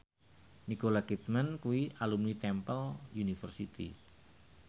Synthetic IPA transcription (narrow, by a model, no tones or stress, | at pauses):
nikolakit̪̚mankuiʔalumnit̪ɛmpəljunifərsit̪ḭ